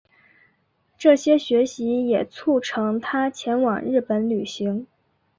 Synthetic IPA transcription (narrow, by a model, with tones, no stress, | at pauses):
ʈ͡ʂɤ˥˩ɕjɛ˥ɕɥɛ˧˥ɕi˧˥jɛ˨˩t͡sʰu˥˩ʈ͡ʂʰɤ˧˥ŋt̪ʰa˥t͡ɕʰjɛ˧˥nwɑ˨˩ŋɻɻ̩˥˩pə˧˥nly˨˩ɕi˧˥ŋ